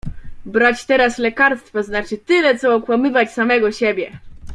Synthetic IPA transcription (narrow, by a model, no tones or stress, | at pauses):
bɾat͡ɕt̪ɛɾaslɛkaɾst̪faznat͡ʂɘt̪ɘlɛt̪sɔɔkwamɘvat͡ɕsamɛɡɔɕebʲjɛ